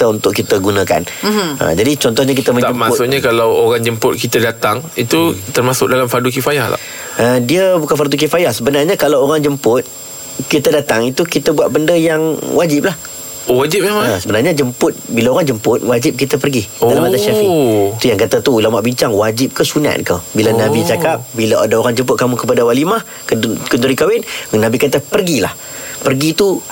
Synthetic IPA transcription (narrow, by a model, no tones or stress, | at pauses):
t̪əunt̪ʊʔkit̪əɡunəka̰n | ʔə̰d͡ʒadit͡ʃɔnt̪ɔhɲak̬it̪əmə̃ɲəmmat̪sʊkɲakalawoɣaŋd͡ʒəmpʊt̪̚kit̪ədat̪aŋit̪ut̪ərmasʊk̚dalamfaduk̬ifajahla̰ | ʔədiəbukanfarduk̬ifajahsəbənarɲakalawoɾaŋd͡ʒəmpʊt̪̚ | kit̪ədat̪aŋit̪ukit̪əbuaʔ̪̚bəndəjaŋwad͡ʒɪp̚lah | owad͡ʒɪp̚aasəbənarɲad͡ʒəmpʊt̪̚bilaoɾaŋd͡ʒəmpʊt̪̚wad͡ʒɪp̚kit̪ap̬ərɡidalamat̪aʃafiʔit̪ujaŋkat̪at̪uulamaʔbiɲt͡ʃaŋwad͡ʒɪp̚kəsuna̰ʔ̪kəbilanãbit͡ʃakap̚bilaʔa̰daoɾaŋd͡ʒəmpʊt̪̚kamũkəpadawalimah | kkənt̪uɾikawɪnnãbikat̪apərɡila̰h | pərɡit̪u